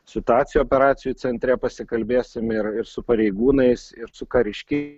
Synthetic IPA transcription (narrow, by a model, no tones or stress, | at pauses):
sʲɪt̪ʊɑːt̪sʲɪjuoːpʲɛɾɑːt̪sʲɪjuːsʲɛnʲt̪ʲɾʲɛpɐsʲɪkɐlʲbʲeːsʲɪmɪɾɪɾsʊpɐɾʲɛɪɡuːnɐɪsɪɾsʊkɐɾʲɪʃʲkʲɪ